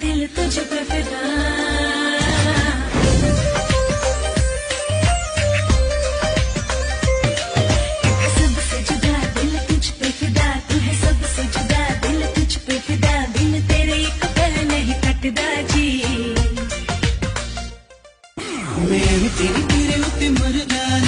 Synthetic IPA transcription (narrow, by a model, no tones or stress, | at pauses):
d̪ɪlt̪ʊd͡ʒpɾəfɪd̪aː | sɐbsɐd͡ʒd̪ad̪ɪlt̪ʊd͡ʒpɾəfɪd̪aːd̪ɪɦɛsɐbsɐd͡ʒd̪aːd̪ɪlt̪ʊd͡ʒpet̪ʰɪd̪aːd̪ɪlt̪eːɾekt̪əɾnɐɦĩkɐʈd̪aːd͡ʒʰiː | mɛ̃ːɾit̪eɾit̪eːɾeʊt̪iməɾd̪aː